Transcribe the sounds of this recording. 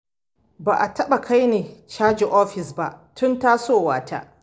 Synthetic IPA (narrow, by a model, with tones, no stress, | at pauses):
ba̰ː˨ʔa˨tʰɐ˦ɓa˨kʰa˦jneː˨t͡ʃaː˦d͡ʒi˨ʔɔː˦ɸɪ˨sba˦˨ʔtʰʊ˦ntaː˦soː˦waː˨tʰa̰˦ʔ